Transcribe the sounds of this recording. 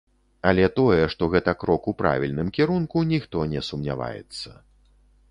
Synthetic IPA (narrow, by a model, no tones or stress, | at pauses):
ɐlʲɛt̪ɔjɛʂt̪ɔɣɛt̪ɐkɾɔkupɾa̰vʲilʲnɨmkʲiɾunkunʲixt̪ɔnʲɛsumnʲa̰va̰jɛ̰t̪sːɐ